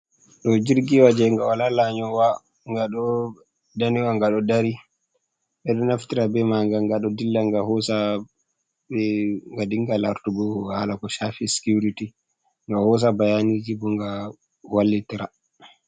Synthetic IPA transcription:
ɗɔd͡ʒiɾɡiwad͡ʒɛŋɡawalalaɲɔwa | ŋɡaɗɔ | daniwaŋɡaɗɔdaɾi | ɓɛɗɔnaftiɾabɛmaŋɡaŋɡaɗɔdilːaŋɡahɔsa | bɛŋɡadiŋɡalaɾtuɡɔhalakɔʃafisi̥kuɾiti | ŋɡahɔs̬abajanid͡ʒibɔŋɡa | walːitiɾa

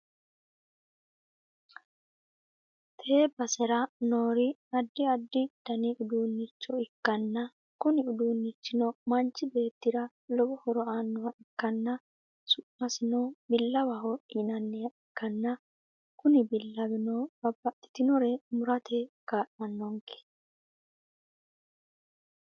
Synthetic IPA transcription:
t̪ʰe̞ːbɐsɛɾɐnoːɾɪɐd̪ːɪɐd̪ːɪd̪̥ɐnɛʔʊd̪uːnːɪt͡ʃːɔɪkːɐnːɐ | kʊnɪʊd̪uːnːɪt͡ʃːɪnɔmɐnt͡ʃːɪbe̞ːt̪ːɪɾɐ | lɔbɔhɔɾɔaːnːʊwɐʔɛkːɐnːɐ | sʊʔːɐsɪnɔbɪlːɐwɐɦɔɪnɐnːɛjɐɪkːɐnːɐ | kʊnɪbɪlːɐbɪnɔbɐbːɐt̪ːɪ̥t̪ɪnɔɾɛmʊɾɐt̪ʰɛkaːʔnɐnːɔŋkɛ̥

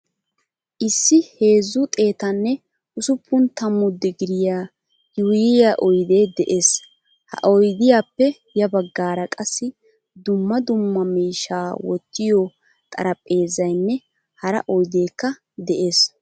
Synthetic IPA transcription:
ʔɪsːɪhe̞ːzːʊt̪ʼe̞ːt̪ɐnːɛ | ʔʊsʊpʰːʊnt̪ɐmːʊd̪ːɪɡɪɾɪjaː | jʊjɪjaʔɔjd̪e̞ːd̪ɛʔe̞ːs | hɐ̰ʔɔjd̪ɪjaːpːɛ | jɐbɐɡːaːɾɐkʼɐsːɪ | d̪ʊmːɐd̪ʊmːɐmiːʃaːwɔ̰t̪ːɪjɔ | t̪ʼɐ̰ɾɐpʼːe̞ːzɐjnːɛ | hɐɾɐ̰ʔɔjd̪e̞ːkːɐ | d̪ɛʔe̞ːs

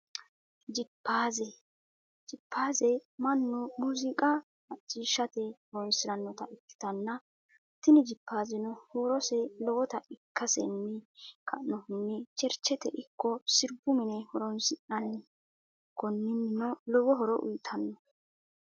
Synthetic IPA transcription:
d͡ʒɪpʰːaːzɛ | d͡ʒɪpːaːzɛmɐnːʊmuzɪkʼɐ | mɐt͡ʃʼːiːʃɐt̪ɛhɔɾɔnsɪɾɐnːɔt̪ɐʔɪkːɪ̥t̪ɐnːɐ | t̪ɪnɪd͡ʒɪpːaːzɪnɔhoːɾɔsɛlɔwɔt̪ɐɪkːɐsɛ̰nːɪkʰɐʔnːɔɪnːɛt͡ʃɛɾt͡ʃːɛt̪ɛʔɪkʰːɔsɪɾbʊmɪnɛhɔɾɔnsɪʔɐnːɪ | kɔnːɪnːɪnɔlɔwɔɦɔɾɔʔʊ̰jt̪ʰɐnːɔ

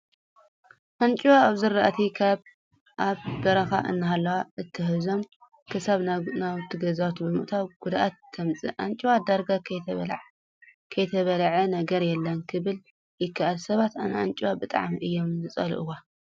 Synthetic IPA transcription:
ʔant͡ʃʼiwaːβzɨɾaʔt̪ʰikʰaβ | ʔaβb̪ɐɾɐxa̰ʔɨ̰nːɨɦalːɐwaʔɨt̪ʰːɨɦɨzo̞m | kʰɨsaβnawt̪ʰɨɡɐzawt̪bɨmɨ̰ʔt̪ʰawɡ̥ud̪ʔat̪ʰːɐmt͡sʼɨ̰ʔant͡ʃʼiwad̪aɾɡakʰɐβlʕ | kʰɐjt̪ʰɐβɐlʕɐnɐɡɐɾjɛlːɐnkʰɨβɨl | jɪkʰːaʔalsɐβat̪anʔant͡ʃʼiwabɨt̪ʼa̰ʕmiʔɨjːo̞mzɨt͡sʼɐ̰lʔɨ̰wa

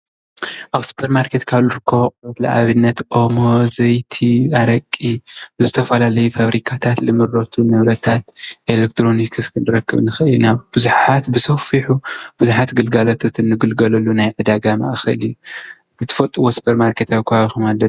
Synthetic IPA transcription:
ʔaβsɨ̥pʰɐɾmaɾkʰe̞t̪kʰaβlɨɾɨkʰːɐβʔʼɾɐt̪la̰ʔa̰βɨnːɐt̪ʔomozɐjt̪ʰiaɾɐkʼːiɨzɨt̪ʰɐfɐlalɐjufaβɾikʰat̪ʰat̪lɨmɨɾːot̪ʰunɐβɾɐt̪ʰat̪ʔelek̚t̪ɾo̞nikʰɨskʰɨndɨɾɐkːɨβnɨxʔɨjːunaβb̥ɨzuħat̪bɨsofiħub̥ɨzuħat̪ɡɨlɡalot̪ʰot̪ʰɨnːɨɡɨlɡɐlɐlunajʕɨd̪aɡama̰ʔxɐlijːu | zɨt̪ʰɨ̥fɐlt̪ʼɨwosɨ̥pʰɐɾmaɾkʰe̞t̪aβikʰuβaβixumalːɐ

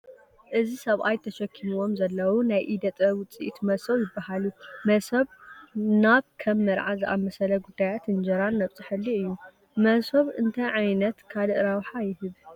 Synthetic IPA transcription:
ʔɨzisɐβʔajt̪ʰɐʃɐkʰːimuwo̞mzɐlːɐwunajʔid̪ɐt̪ʼɐwʊt͡sʼiʔit̪mɐsɐwjɪbːahalumɐsɐβnaβkʰɐmːɨɾʕazɨʔammːɐsɐlɐɡud̪ːajat̪ɨnd͡ʒɐɾanːɐβt͡sʼɨħɨlːiɨjːu | mɐsɐβɨnt̪ʰɐʕajnɐt̪kʰalɨʔɾawħajɪhɨβ

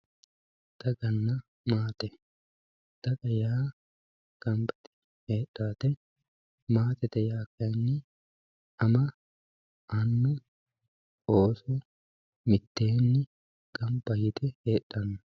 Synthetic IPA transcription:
d̪̥ɐɡɐnːɐ | maːt̪ɛ | d̪̥ɐkʼɐjaː | ɡ̥ɐmbɐ̥t̪ɛ̥ | heːᶑːaːt̪ɛ | maːt̪ɛt̪ɛjaːkːɐnːɪ | ɐmɐ | ɐnːʊ | oːsɛ | mɪt̪ːe̞ːnːɪ | ɡ̥ɐmbɐhɪt̪ɛheːᶑːɐnːʊ

